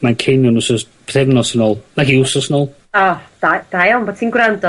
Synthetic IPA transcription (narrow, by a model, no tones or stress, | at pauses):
mankʰejnɔnʊsɔsʰ | eθɛmnɔsənɔːlˠnaɦiʊsɔsnɔːlˠ | ɔd̥ad̥ajɔnbɔ̥tʰiːnɡwrandɔ